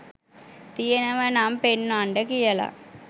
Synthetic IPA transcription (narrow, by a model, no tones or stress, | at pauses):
t̪ijɐnɐʋɐnaːmpenːaɳɖɐkijɐla̰ː